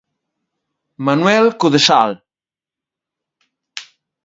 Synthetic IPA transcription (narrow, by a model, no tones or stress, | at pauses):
manwɛlkoðesa̰l